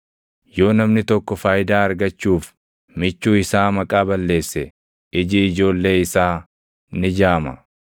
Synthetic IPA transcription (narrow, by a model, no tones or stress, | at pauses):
jo̞ːnɐmnɪt̪ɔkːɔfaːjɪd̪aːɐɾɡɐt͡ʃːuːf | mɪt͡ʃːuːɪsaːmɐkʼaːbɐlːe̞ːsːɛ | ɪd͡ʒiɪd͡ʒo̞ːlːe̞ːɪsaː | nɪd͡ʒaːmɐ̰